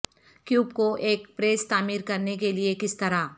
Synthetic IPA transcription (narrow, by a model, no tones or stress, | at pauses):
kjuːbkoʔeːkpɾeːst̪aːmiːɾkɐɾnekeliekɪst̪ɐɾaː